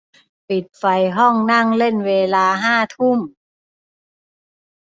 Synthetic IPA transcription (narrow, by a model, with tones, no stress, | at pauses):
pi˨˩t̪̚fa˧jɦɔ˥˩ŋna˥˩ŋle˥˩nweː˧laː˧ɦaː˥˩t̪ʰu˥˩m